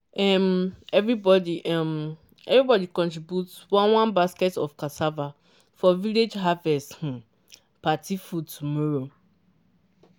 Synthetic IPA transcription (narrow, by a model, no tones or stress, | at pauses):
ɛmɛvɹibɔdiʔɛm | ɛvɹibɔdikɔ̃ntɹibjutswãnwãnbaskɛtɔfkasava | fɔviled͡ʒɦavɛsth̩ | patifud̚tʰumɔɹo